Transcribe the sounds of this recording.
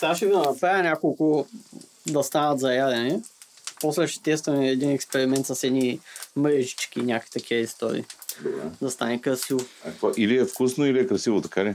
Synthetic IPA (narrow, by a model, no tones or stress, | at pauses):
t̪aʃivd̪ɐnɐpɾajɐnʲakolˠkʊ | d̪ɐst̪anɐt̪zɐjad̪ɛnɛpɔslɛʃɛ̥t̪ɛst̪vɐmɛːd̪inɛkspɛɾimɛnt̪səsɛd̪nimɾɛʒit͡ʃk̟inʲakəvit̪ɐk̟ʰiəist̪o̰ɾḭːd̪ad̪ɐst̪anɛkɾɐsivokoʔiliɛfkusnoiliɛkɾɐsivot̪ɐkalɛ